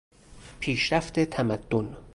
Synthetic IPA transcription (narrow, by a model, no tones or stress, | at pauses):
pʰiːʃɾæft̪ʰet̪ʰæmæd̪̥ːon